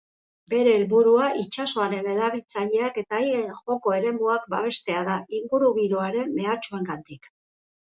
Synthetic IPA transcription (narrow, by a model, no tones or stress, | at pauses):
be̞ɾe̞ːlβuɾuaʔit͡ʃaso̞aɾe̞ne̞laβit͡saʎe̞ake̞t̪ajenʝo̞ko̞e̞ɾe̞muak̚baβ̞e̞st̪e̞að̞aiŋɡuɾuɣiɾo̞aɾe̞mːe̞at͡ʃue̞ŋɡant̪ik